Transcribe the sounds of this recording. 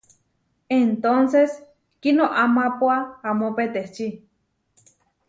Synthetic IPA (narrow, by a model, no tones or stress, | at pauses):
ent̪onses | kinoʔamapoaamopet̪eht͡ʃi